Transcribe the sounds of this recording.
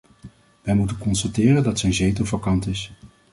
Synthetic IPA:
ʋɛjmutənkɔnstatɪːrəndɑtsɛjnzejtovɑkɑntɪs

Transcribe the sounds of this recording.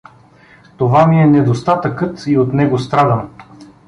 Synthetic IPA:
t̪ovamiɛnɛd̪ost̪at̪əkɤt̪iot̪nɛɡost̪ɾad̪əm

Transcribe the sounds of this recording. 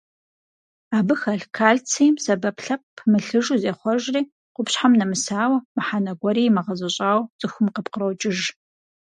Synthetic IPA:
aːbɨxɐɬkʰaːɮt͡sʰijmsɐbɐpɬɐpʰmɨɬɨʒuːzeːχʷɔʒriː | qʷʊpɕħamnɐmɨsaːwɐmɨħanɐɡʷɔɾiːmɐʁɐzɐɕʼaːwt͡sʼɨxʊmqəpqəɾɐwt͡ʃʼɪʒ

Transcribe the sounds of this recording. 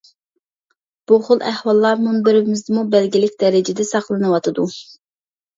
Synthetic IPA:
b̥uχolˠʔæhwɑlˠːɑɾmunbɪɾɪbɪmɪzd̪ɪmubɛlɡʲɪlɪkʲd̪̥ɛɾɪd͡ʒɪd̪ɛsɑχlˠɨnɨwɑt̪ʰɨd̪u

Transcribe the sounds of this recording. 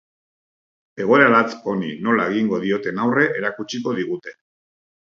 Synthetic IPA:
e̞ɣ̞o̞eɾaɾat͡so̞nḭno̞laeɣiŋɡo̞ðio̞t̪e̞nawre̞ʔeɾakut͡ʃiko̞ðiɣ̞ut̪e̞̥

